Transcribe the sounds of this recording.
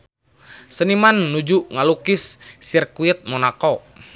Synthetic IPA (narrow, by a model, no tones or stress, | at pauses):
sənimanːud͡ʒuʔŋalukisːirkuit̪̚mɔnako